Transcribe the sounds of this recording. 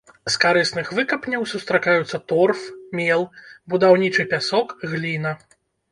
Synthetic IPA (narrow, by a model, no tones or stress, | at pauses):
skaɾɨsnɨxvɨkɐpnʲɐwsust̪ɾakajut̪sːɐt̪ɔrfmʲɛlˠbud̪awnʲit͡ʂɨpʲasɔkɣlʲinɐ